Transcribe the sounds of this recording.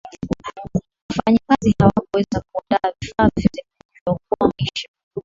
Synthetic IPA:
wafaɲakazihawakuwɛzakuuandaavifaːvivɛzik | iwak̚uamiʃa

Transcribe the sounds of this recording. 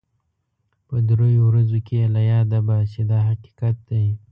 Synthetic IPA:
pəd̪ɾojowɾazokelajɑd̪abaʃed̪ɑɦaqi̥qat̪̚d̪aj

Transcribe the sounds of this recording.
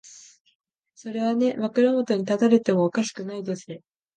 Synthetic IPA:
so̞ɾe̞β̞ane̞makɯɾamo̞t̪o̞ɲ̟it̪at̪aɾet̪e̞mo̞ːkaɕi̥kɯ̟naid̪e̞sɨɾe

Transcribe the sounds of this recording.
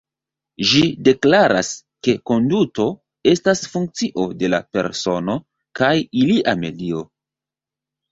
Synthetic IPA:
ʒide̞klaɾa̰s | ke̞ko̞nduto̞ | e̞stasfuŋk̚t͡siʔo̞de̞la̰pe̞̰ɾso̞no̞ | kajiliʔame̞̰dio̞

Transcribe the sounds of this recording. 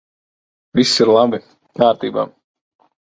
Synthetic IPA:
visʲːiɾlˠabi | kaːɾt̪iːba̰ː

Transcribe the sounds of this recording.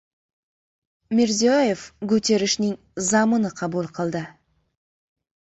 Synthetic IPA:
mʲeɾziojevkʲʰɵt̪e̞ɾɪʃnɪŋ | zɑmənəqʰɑbulˠqʰəlˠd̪ə

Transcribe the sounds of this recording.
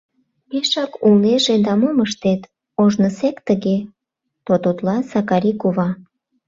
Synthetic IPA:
peʃɑkulneʒed̪ɑmoməʃt̪et̪ | oʒnəsekt̪əɣe | t̪ot̪ot̪lɑsɑkɑɾʲikuβɑ

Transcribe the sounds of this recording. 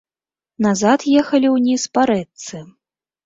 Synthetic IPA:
nazat̪jɛxɐlʲiwnʲispaɾɛt̪sɨ

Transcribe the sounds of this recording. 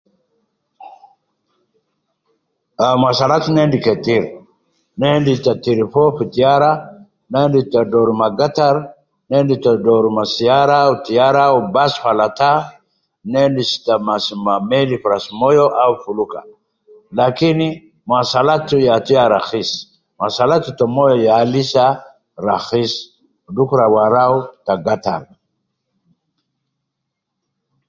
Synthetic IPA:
amasɐlat̪nendɪkɛt̪iɾ | nend̪ɪt̪ɐt̪iɾɪfofɪt̪ɪjaɾa | nend̪ɪt̪ːɐd̪oɾʊmaɡɐt̪ɐɾ | nendɪt̪ɐd̪oɾʊmasɪjaɾat̪ɪjaɾaʊbasfɐlɐt̪a | nendisi̥t̪amasmamelifɾasmɔjoʔawfuluka̰ | lakini | masalat̪ːujat̪ijaɾaxis | masalat̪ut̪omɔjɔjalisa | ɾaxis | dukɾawaɾaut̪aɡat̪a̰ɾ

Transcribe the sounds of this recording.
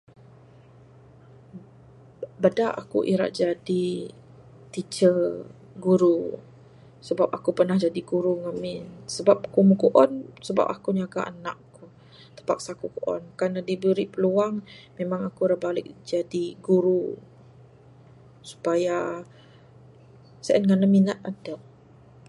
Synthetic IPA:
badaʔa̰kṵʔḭɾa̰ʔd͡ʒadi | t̪it͡ʃə | ɡuɾu | səbap̚akupərnahd͡ʒadiɡuɾuŋamɪnsəbap̚kuməkuʔɔnsəba̰p̚akuniaɡa̰ana̰ʔku | t̪ə̥pak̚sakukoʔɔ̰nkanadibəɾiʔpəluaŋmemaŋakuɾaʔbalɪk̚d͡ʒadiɡuɾu | su̥paja | səʔənŋanəminat̪̚adə

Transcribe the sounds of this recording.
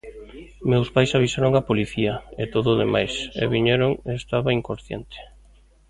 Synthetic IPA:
mewspajsaβisaɾoŋapoliθiaet̪oðoðemajsɛ̰βiɲeɾoŋest̪aβaiŋkonθjḛnt̪ɪ̥

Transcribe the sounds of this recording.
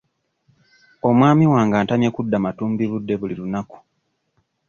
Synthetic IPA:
o̞mwaːmiwaːŋɡaːntamjekudːamatuːmbiβudːe̞βulilunaku̥

